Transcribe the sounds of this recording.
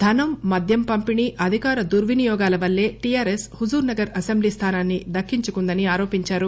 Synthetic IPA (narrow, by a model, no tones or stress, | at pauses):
d̪ʱɐnɐmːɐd̪ʱjɐmpɐmpiɳiʔɐd̪ʱikaːɾɐd̪uɾʋinijɔːɡaːlɐʋɐlːe̞ːʈijaːɾeshud͡ʒuːɾnɐɡɐɾɐsembliːst̪ʰaːnaːnːid̪ɐkːiɲt͡ʃukund̪ɐniaːɾoːpiɲt͡ʃaːɾu